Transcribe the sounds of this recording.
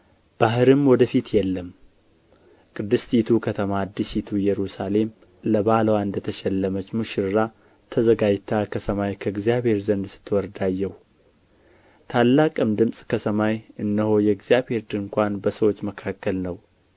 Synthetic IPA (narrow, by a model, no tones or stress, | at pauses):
b̥aɦɨɾɨmwɔd̪əfit̪jɛlːəm | kʼɨd̪ːɨst̪it̪ʰukʰət̪ʰəmad̪ːisit̪ʰujɛɾusale̞m | ləbaləwand̪ət̪ʰəʃɛlːəmət͡ʃmuʃɪɾɨɾa | t̪ʰəzəɡad͡ʒt̪ʰːakʰəsʰəmajkʰəɨɡzijaβhe̞ɾzənd̪sɨ̥t̪ʰːwɔɾd̪ajːɛhu | t̪ʰalːakʼɨmd̪ɨmsʼkʰəsʰəmajɨnːəho̞jɛɡzijabhe̞ɾd̪ɨŋkʷanbəsəwo̞t͡ʃːməkʰakːəlnəw